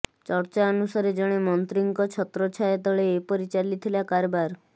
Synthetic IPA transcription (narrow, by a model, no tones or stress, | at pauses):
t͡ʃɔɾt͡ʃaɔnusaɾed͡ʒɔɽ̃emɔnt̪ɾiŋkɔt͡ʃʰɔt̪ɾɔt͡ʃʰaet̪ɔɭeːpɔɾit͡ʃalit̪ʰilakaɾbaɾ